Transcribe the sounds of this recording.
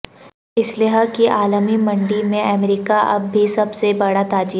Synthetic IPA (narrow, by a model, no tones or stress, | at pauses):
ɪslɪɦəkiʔaːləmimɐ̃ɳɖimẽɛmɾiːkaʔɐ̰bːʱisɐbsebɐɽat̪aːd͡ʒiː